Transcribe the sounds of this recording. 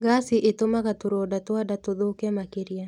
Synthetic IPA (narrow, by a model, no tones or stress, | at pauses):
ɡasiʔetomaɣatoɾɔdatoadatoðoːkɛmakeɾja